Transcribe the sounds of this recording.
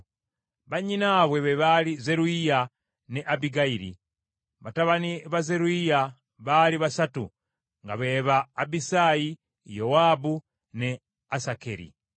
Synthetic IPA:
βaɲinaβweβeβalizeɾuija | neʔabiɡaiɾḭ | βataβaniβazeɾuija | βaliβasatṵ | ŋɡaβeβaːbisaji | jowabu | ne | asakḛɾḭ

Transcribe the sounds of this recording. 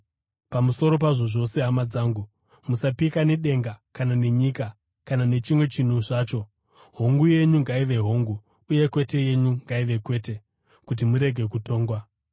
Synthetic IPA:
pamuso̞ɾo̞paʐo̞ʐo̞se̞ɦamad͡zaːŋɡu | musapikane̞ɗe̞ŋɡakanane̞ɲika | kanane̞t͡ʃimwe̞t͡ʃin̤uʐaːt͡ʃo̞ | ɦo̞ŋɡuje̞ɲuŋɡaiʋe̞ɦoːŋɡu | uje̞kwe̞te̞je̞ɲuŋɡaiʋe̞kwe̞ːte̞ | kut̬imuɾe̞ɡʱe̞kuto̞ːŋɡwa

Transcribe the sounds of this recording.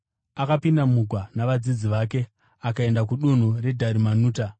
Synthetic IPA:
akapindam̤uɡʱwanaʋad͡zid͡ziʋaːk̬e̞ | akae̞ndakuɗun̤ure̞dʱaɾimanuːta

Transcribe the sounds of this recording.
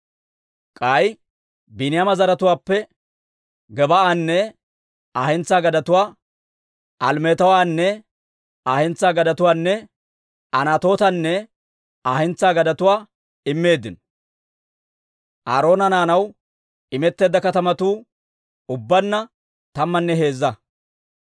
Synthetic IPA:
kʼaj | bɪnɪjamɐzɐɾɐt̪ʊwaːpːɛ | ɡɛbɐaːnːɛ | aːhɛnt͡sːaːɡɐd̪ɐt̪ʊwaː | ɐlmeːt̪ɐwaːnːɛ | aːhɛnt͡sːaːɡɐd̪ɐt̪ʊwaːnːɛ | ɐnaːt̪o̞ːt̪ɐnːɛ | aːhɛnt͡saːɡɐd̪ɐt̪ʊwaː | ɪmːe̞ːd̪ːɪnɔ | ʔa̰ːɾo̞ːnɐnaːnɐw | ɪmɛt̪ːe̞ːd̪ːɐkɐt̪ɐmɐt̪uː | ʊbːɐnːɐ | t̪ɐmːɐnːɛɦe̞ːzːɐ

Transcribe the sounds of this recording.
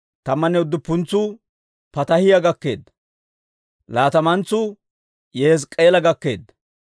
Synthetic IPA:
t̪ɐmːɐnɛʊd̪ːʊpːʊnt͡sːʊ | pɐt̪ɐhɪjɐɡɐkːe̞̰ːd̪ | laːt̪ɐmɐnt͡sːʊ | jeskʼeːlɐɡɐkːe̞̰ːd̪

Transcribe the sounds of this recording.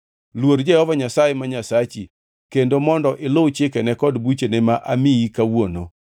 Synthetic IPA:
lwoɾd͡ʒɛhɔvaɲasajemaɲasat͡ʃi | kendomɔndɔʔɪlot͡ʃɪkɛnɛkɔdbut͡ʃenɛmaʔamɪikawono̰

